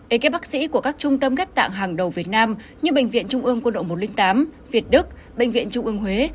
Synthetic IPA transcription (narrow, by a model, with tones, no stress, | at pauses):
ʔe˨˩ke˦˥p̚ɓaː˦˥k̚sḭ˧˥ku˧˩əkaː˦˥k̚t͡ɕʊ˧ŋ͡mt̪ə˧mɣɛ˦˥p̚t̪a̰ː˧˨ŋɦaː˨˩ŋɗə˨˩wvi˨˩ət̚naː˧m | ɲɨ˧ɓḛ˧˨ŋ̟vḭ˧˨ənt͡ɕʊ˧ŋ͡mʔɨ˧əŋkno̰˧˨˩mo˨˩t̚lï˧ŋt̪aː˨˦m | vi˨˩ət̚ɗɨ˦˥k̚ | ɓḛ˧˨ŋvḭ˧˨ənt͡ɕʊ˧ŋ͡mʔɨ˧əŋɦwe˨˦